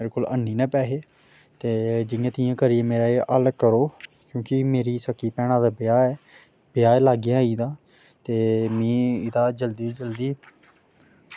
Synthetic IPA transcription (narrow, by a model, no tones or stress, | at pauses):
eːɾeːkoːlə̰nːiːnɛ̃ːpɛːɦeː | t̪eːd͡ʒɪŋãːt̪ɪjãːkəɾiːeːmeːɾaːeːʔəlkəɾoː | kjõːkɪmeːɾiːsəkːiːpɛːɽ̃ãːd̪aːbɪjaːɛː | b̥ɪjaːelaːɡɪjãːiːd̪aː | t̪eːmĩːɪd̪aːd͡ʒəld̪iːd͡ʒəld̪iː